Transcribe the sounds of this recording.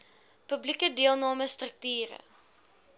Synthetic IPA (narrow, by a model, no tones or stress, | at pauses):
pɵblikədiəlˠnɑːməstrək̚tyːɾə̰